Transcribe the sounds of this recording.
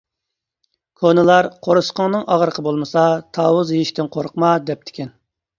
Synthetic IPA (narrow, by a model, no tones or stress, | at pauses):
kʰonɨlˠɑɾqʰoɾusqəŋnɨŋʔɑʁəɾəqʰəbolˠmɨsɑt̪ʰɑːwʊzjeiʃt̪ɪnqʰoɾʊqmɑd̪ɛp̚t̪ʰɪ̥kʲɛn